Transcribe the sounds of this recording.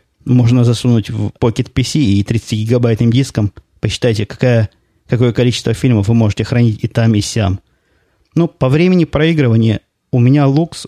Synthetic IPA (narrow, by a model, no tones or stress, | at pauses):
mo̞ʐnəzɐsunutʲvpokʲɪt̪pʲɪsʲiːt̪ɾʲt̪sɨ̥tʲiɡʲɪɡɐbajt̪nɨmdʲiskəm | pəɕːɪ̥t̪ajtʲɪkɐ̥kajə | kɐko̞jəkɐlʲit͡ɕɪ̥st̪vəfʲilʲməfvɨmo̞ʐɨtʲɪxɾɐnʲitʲɪt̪amɪsʲam | nupɐvɾʲemʲɪnʲɪpɾɐiɡɾɨvənʲɪjə | ʊmʲɪnʲalˠuks